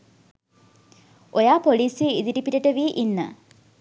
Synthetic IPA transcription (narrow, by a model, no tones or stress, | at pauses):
ʔojaːpoliːseid̪iʈipiʈəʈəʋiːʔinːə̰